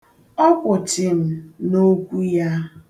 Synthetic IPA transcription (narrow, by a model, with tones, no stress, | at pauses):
ɔ˦kʷʊ˨t͡ʃɪ˨m̩˨˦no˦kʷu˦ja˦